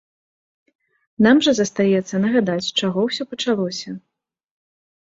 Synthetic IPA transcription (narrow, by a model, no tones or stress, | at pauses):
namʐɐzɐst̪ajɛt̪sːɐnɐɣad̪at͡sʲt͡ʂaɣɔwsʲɔpɐt͡ʂalˠɔsʲɐ